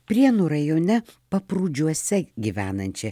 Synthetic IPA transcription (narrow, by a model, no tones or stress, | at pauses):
pʲɾʲiɛnuːɾɐjoːnʲɛpɐpɾuːd͡ʒʲuɔsʲɛɡʲiʋʲæːnɐnʲt͡ʃʲɛ